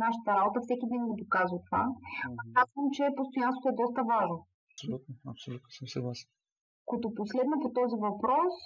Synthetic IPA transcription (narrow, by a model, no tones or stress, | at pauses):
naʃət̪əɾabot̪əfsɛk̟id̪nɛnɡod̪okazvət̪ova̰ɐkazvəmt͡ʃɛpost̪ojanst̪vo̥oɛd̪ɔst̪əvaʒno | ɐsolʲut̪noɐpsolʲut̪nosəmsəɡlˠasɛn | kot̪oposlɛd̪nɐpot̪ɔzivɐpɾɔs